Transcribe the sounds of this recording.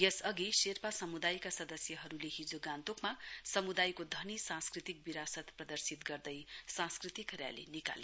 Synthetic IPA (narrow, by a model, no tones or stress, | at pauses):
esʌɡiserpasʌmud̪ajkasʌd̪ʌsjʌɦʌɾuleɦid͡zoɡãnt̪okmasʌmud̪ajkod̪ʱʌnisãnskrit̪ik̚biɾasʌt̪prʌd̪ʌrsit̪ɡʌrd̪ʌjsãskrit̪ikrja̰lḭnika̰l